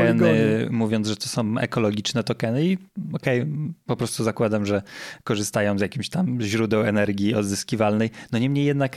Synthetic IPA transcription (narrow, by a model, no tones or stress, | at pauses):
ɛnɘmuvʲjɔnt̪ʐɛt̪ɔ̥sɔ̃w̃ɛ̰kɔlɔɡʲit͡ʂnɛt̪ɔkɛnɘiɔkɛjpɔpɾɔst̪uzakwad̪amʐɛkɔʐɘst̪ajɔ̃w̃zjakʲimɕt̪amʑɾud̪ɛwɛnɛɾɡʲjiɔd̪zɘskʲivalnɛjnɔɲɛmɲejɛd̪nak